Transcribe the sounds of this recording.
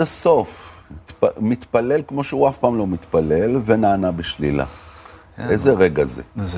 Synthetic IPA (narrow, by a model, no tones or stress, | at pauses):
aso̞ft̪pmit̪pale̞lkmo̞ʃeuafpaːmlo̞mit̪pale̞lvenaːnabeʃlila̰ | ʔezeʁeɡazḛ